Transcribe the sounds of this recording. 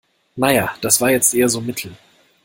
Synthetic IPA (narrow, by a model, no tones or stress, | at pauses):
najaːd̥asv̥aːɐjɛt͡stʔeːɐzoːmɪtʰl̩